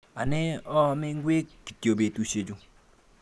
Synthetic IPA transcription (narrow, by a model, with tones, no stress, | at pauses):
a˨nɪ˦ɔ˦mɪ˦ŋ˦ɡwe˦ki̥˨tjo˨be˨tu˦ʃe˨d͡ʒu˧